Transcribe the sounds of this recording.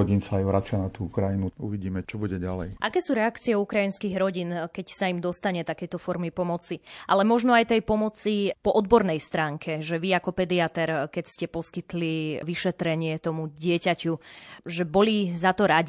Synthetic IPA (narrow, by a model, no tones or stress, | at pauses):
ɔɟiːnsaːjʋɾat͡sɪanat̪uːukɾajinuuʋiɟiːmɛt͡ʃɔbuɟɛɟalɛ̰jʔakɛːsuːɾɛakt͡siɛukɾainskiɣɾɔɟiːnkɛcsaimd̪ɔst̪aɲɛt̪akɛjt̪ɔfɔɾmipɔmɔt͡siʔalɛmɔʒnɔajt̪ɛjpɔmɔt͡sipɔʔɔd̪bɔɾnɛjst̪ɾaːŋkʰɛʒɛʋiakɔpɛd̪iat̪ɛɾkɛcscɛpɔskit̪liʋiʃɛt̪ɾɛɲɪɛt̪ɔmuɟɪɛcacuʒɛbɔlizat̪ɔɾaɟi